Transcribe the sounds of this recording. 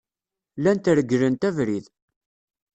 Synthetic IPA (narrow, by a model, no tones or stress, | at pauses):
lænt̪ɾəɡːɾənt̪ævɾið